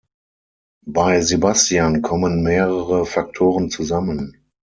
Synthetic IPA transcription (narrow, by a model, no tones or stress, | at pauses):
baɪzebastijankʰɔmənmeːʁəʁəfak̚tʰoːʁənt͡suzamən